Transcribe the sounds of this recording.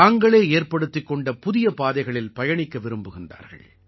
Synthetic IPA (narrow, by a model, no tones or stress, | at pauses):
aːŋɡɐɭeːeːɾpɐɽɯt̪ːɪkːɔɳɖɐpʊðɪjɐpaːðɐɪɣɐɭɪlpɐjɐɳɪkːɐʋɪɾɯmbɯɣɪnd̪a̰ːɾɣɐ̰ɭ